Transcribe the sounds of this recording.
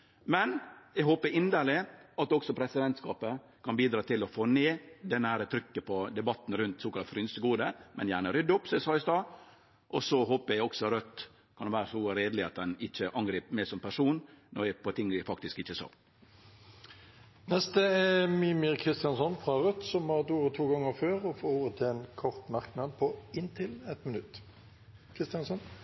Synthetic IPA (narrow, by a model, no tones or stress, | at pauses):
mɛnɛɡɦoːpəɾɪnd̪əlɪɑt̪d̪ɔksɔpʰɾɛsɪd̪ɛnt̪skɑːpə | kʰɑnbiːd̪ɾɑːt̪ʰɪlɔfoːneːd̪ɛnːəhæːɾət̪ʰɾʏkːəpʰɔd̪ɛbɑt̪ːn̩ɾʉnt̪soːkɑlt̪fɾʏnsəɡuːd̪əmʔɛ̰njæːɳəɾʏd̪ːʊpsɔmɛsɑːɪst̪ɑː | ʔɔsɔɦoːpəɾɛɡɔksɔɾœt̪ː | kʰɑnʋæːɾəsɔɾeːd̪lɪɑt̪̚d̪ɛnɪc͡çːəʔɑŋɡɾiːpmeːsɔmpʰæʂuːnnɔɾjæpɔt̪ʰɪŋːd̪ɪfɑkt̪ɪskɪçːəsɑ̰ː | nɛst̪əɛmiːmɪɾkʰʁɪst̪ɪjɑnsɔnfʁɑʁœt̪sɔmhɑʁt̪uːɾət̪ʰuːɡɑŋːəʁføːɾɔfoːoːʋət̪ʰeːnkʰɔʁt̪mɑʁknɑd̪pʰɔɪnt̪ʰɪlɛt̪mənʉt̪ː | kʰʁɪst̪ɪɑnsɔn